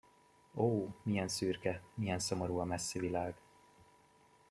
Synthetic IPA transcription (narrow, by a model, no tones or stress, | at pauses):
oːmijɛnsyːrkɛmijɛnso̞moɾuɒmɛsːivilaːɡ